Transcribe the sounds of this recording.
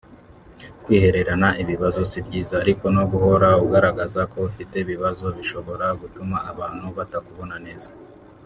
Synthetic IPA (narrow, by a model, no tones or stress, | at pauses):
kwiːhe̞ɾe̞ɾanaiβiβazo̞sibɟiːzaːɾiko̞no̞ɡuho̞ɾauɡaɾaɡazako̞ufite̞iβiβazo̞βiʃo̞βo̞ɾaɡutumaːβaːn̥huβatakuβo̞nane̞ːza